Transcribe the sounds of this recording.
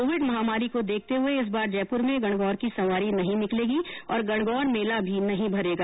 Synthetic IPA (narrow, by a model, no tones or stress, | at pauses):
oːʋɪɖmɐɦaːmaːɾikod̪eːk̚ʰt̪eɦʊeɪs̬baːɾd͡ʒɛːpʊɾmẽɡɐɽ̃ɡɔːɾkisɐʋaːɾinɐɦĩnɪkleːɡiɔːɾɡɐɽ̃ɡɔːɾmeːlabʱinɐɦĩbʱɐɾeːɡaː